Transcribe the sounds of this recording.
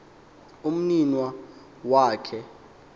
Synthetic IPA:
um̩ninwa | waːkʰɛ

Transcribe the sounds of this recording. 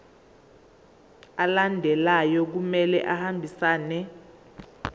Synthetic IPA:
alandʱɛlajɔk̬umɛlɛʔahambʱisaːnɛ

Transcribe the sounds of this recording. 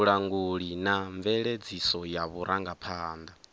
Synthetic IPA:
uɺaŋɡuɺinaɱvɛɺed͡zisɔjaβuɾʔaŋɡapʰaːnd̪a

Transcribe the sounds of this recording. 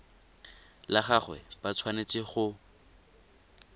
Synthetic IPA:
laχaχwɛ̰pʼat͡sʰwanet͡sʼɪχʊ

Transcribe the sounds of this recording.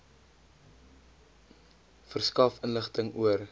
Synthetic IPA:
fərskɐfənləχtəŋuər

